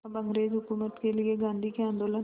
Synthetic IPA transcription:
bəŋɡɾeːd͡ʒɦʊkuːmət̪kelɪeɡãːnd̪ʱikeãːnd̪oːlə

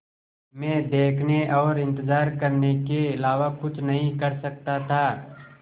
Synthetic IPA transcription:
mɛ̃ːd̪eːkʰneʔɔːɾɪ̃nt̪ɪzaːɾkɐɾnekeɪlaːʋakʊt͡ʃʰnɐɦĩkɐɾsɐk̚t̪at̪ʰaː

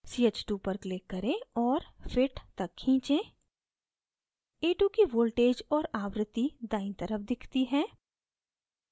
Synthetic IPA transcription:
siːet͡ʃʈuːpəɾkleːkːɐɾẽɔːɾfɪʈt̪ɐkʰːĩːt͡ʃẽː | eːʈukiʋoːlʈeːd͡ʒɔːɾaːʋɾət̪ːid̪aːɪ̃nt̪əɾəpʰd̪ɪkʰt̪iɦɛ̃ː

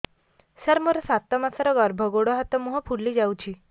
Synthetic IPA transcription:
səɾmoɾɔsat̪ːɔmasaɾɔɡɔɾbʱɔɡoɽɔɦat̪ɔmuɦɔpʰuɽːid͡ʒawt͡ʃʰi

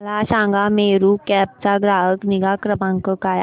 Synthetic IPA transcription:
laɕãːŋɡameɾukɛp̚t͡saɡɾaɦəkniɡakɾəmãŋkəkaj

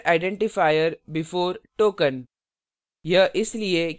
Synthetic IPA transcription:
aɪɖɛ̃ɳʈɪfaːɪəɾbɪfoːɾʈoːkə̃n | jɐʔɪslie

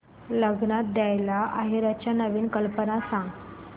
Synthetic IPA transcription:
ləɡnat̪̚d̪jajlaʔaɦiɾat͡ɕjanəʋiːnkəlpənasãŋɡ

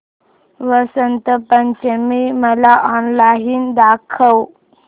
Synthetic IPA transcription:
ʋəsənt̪əpənt͡ɕemiməlaʔɔnlaɦiːnd̪akʰəw

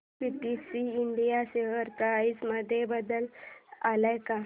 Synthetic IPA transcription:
piʈisiːɳɖijaɕeɦəɾt̪aisməd̪ʱjebəd̪əlalajka

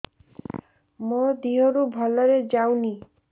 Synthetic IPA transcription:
mod̪iɦoɾubʱɔlɔɾed͡ʒawni

